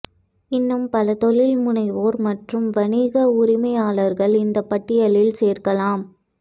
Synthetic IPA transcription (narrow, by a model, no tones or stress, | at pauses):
ɪnːɯmpɐlɐt̪ɔɭɪlmʊɳɐɪʋoːɾmɐʈrɯmʋɐniːɣɐʊɾɪmɐɪjaːlɐɾɣɐɭɪnd̪ɐpːɐʈːɪjɐlɪlseːɾkɐlaːm